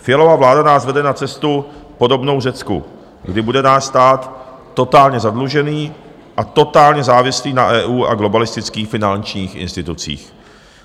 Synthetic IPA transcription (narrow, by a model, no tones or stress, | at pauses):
fɪjɛlo̞vavlaːdanaːsvɛdɛnat͡sɛst̪upo̞do̞bno̞wrɛt͡skṵ | ɡdɪbudɛnaːsst̪aːt̪ː | o̞t̪aːlɲɛzadluʒɛniː | ʔat̪o̞t̪aːlɲɛzaːvɪsliːnaʔɛːʔuːʔa̰ɡlo̞balɪst̪ɪt͡skiːxfɪnant͡ʃɲiːxɪ̰nst̪ɪt̪ut͡sḭːx